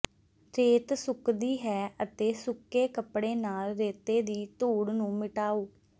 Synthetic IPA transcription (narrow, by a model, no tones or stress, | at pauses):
ɾeːt̪sʊkd̪iːɦɛːət̪eːsʊkeːkəpɽeːnaːlɾeːt̪eːd̪iːt̪uːɽnũːmɪʈaːoː